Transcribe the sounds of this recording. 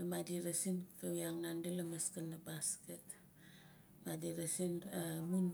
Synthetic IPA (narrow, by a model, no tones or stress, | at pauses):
amadiɾasinkawjaŋnandelamaskanːabasket | madiɾasinamun